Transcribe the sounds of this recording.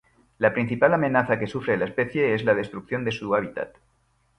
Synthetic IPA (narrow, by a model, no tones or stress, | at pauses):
lapɾin̟θipalamẽ̞naθake̞sufɾe̞laespe̞θje̞ezlað̞e̞st̪ɾuk̚θjo̞nd̪e̞suaβ̞it̪a̰t̪